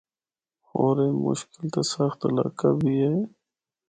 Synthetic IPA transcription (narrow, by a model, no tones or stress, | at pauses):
oːɾemʊ̰ʃkɪlt̪asəxt̪ɐla̰ːkabʱiɦɛː